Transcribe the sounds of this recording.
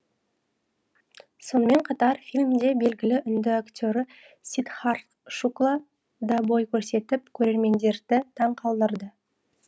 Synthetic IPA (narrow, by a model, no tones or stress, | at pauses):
so̞nəme̞ɴqʰɑt̪ɑɾfilʲmd̪e̞be̞lɡʲɪlɪʔʏnd̪ɪakt̪ʲoɾɪ | sit̪χar | ʃuklˠa | d̪abo̞jkʲʰɵɾse̞t̪ɪp̚kʲʰɵɾe̞ɾme̞nd̪e̞ɾd̪ɪt̪ʰɑɴqʰɑlˠd̪əɾd̪ə